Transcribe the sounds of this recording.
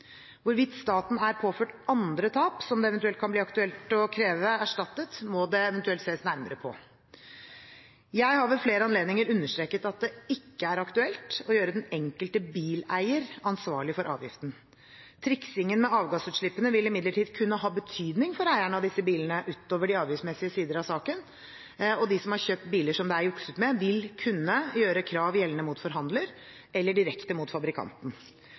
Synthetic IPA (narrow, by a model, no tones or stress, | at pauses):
ʋʊɾʋɪt̪st̪ɑːt̪n̩æɾpʰoːføːʈɑnd̪ɾət̪ʰɑːpsɔmd̪ɛɛʋɛnt̪ʉɛlt̪̚kʰɑnbliːɑkt̪ʉɛlt̪ɔkʰɾeːʋəæʂʈɑt̪ːət̪mɔd̪ɛɛʋɛnt̪ʉɛlt̪seːəsnæɾməɾəpʰɔ̰ | jæɪhɑʋəlfleːɾəɑnleːd̪nɪŋəɾʉnːəʂʈ̪ɾeːkət̪ɑt̪̚d̪ɛɪkːəæɾɑkt̪ʉɛlt̪ɔjøːɾəd̪ɛnɛŋkəlt̪əbiːlæɪəɾɑnsʋɑːɭɪfɔɾʔɑ̰ːʋjɪ̰ft̪n̩ | t̪ʰɾɪksɪŋːənmɛɑːʋɡɑsʉːt̪ʂɭɪpːənəʋɪlːɪmɪd̪ləʈiːd̪kʰʉnːəɦɑːbət̪ʰyːd̪nɪŋfɔɾæɪæɳəɑʋd̪ɪsːəbiːlənəʔʉːt̪oːʋəɖɪɑːʋjɪsmɛsɪəsiːd̪əɾɑʋsɑːkən | ɔd̪ɪsɔmhɑɾçøːp̚t̪̚biːləʂɔmd̪ɛæɾjʊksʉt̪mɛʋɪlkʰʉnːəjøːɾəkʰɾɑːʋjɛlnəmuːt̪fɔɾɦɑnd̪ləɾ | ʔɛlːəɖɪɾɛkt̪əmʊt̪fɑbɾɪkʰɑ̰nt̪n̩